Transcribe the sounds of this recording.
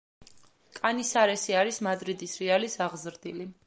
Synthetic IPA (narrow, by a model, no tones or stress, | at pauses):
kʼanisaɾɛsiaɾismad̪ɾid̪isɾialisaʁzɾd̪ili